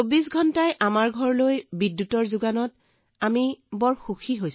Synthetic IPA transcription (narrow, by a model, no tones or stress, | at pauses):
obisɡʱɔntajʔamaɹɡʱɔɹlojbidːutɔɹzuɡanɔt | amibɔɹxuxʰiɦojs